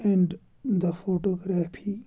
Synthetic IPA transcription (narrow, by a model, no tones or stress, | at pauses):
ɛ̃ɳɖ | d̪əfoːʈoɡɾafi